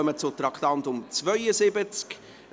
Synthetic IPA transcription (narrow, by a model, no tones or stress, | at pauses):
œmət͡sʊt̪ɾɑkt̪ɑntʊmt͡svœʏəsɪbət͡sk